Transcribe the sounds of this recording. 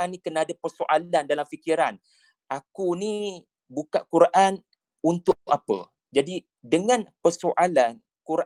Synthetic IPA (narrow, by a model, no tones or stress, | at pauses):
anːĩkənaːdapərsoʔalandalamfikiɾan | ʔakuni | bukaʔkuɾaʔan | unt̪ʊʔapə̰ | d͡ʒadi | dəŋãnpərsoʔalan | kuɾa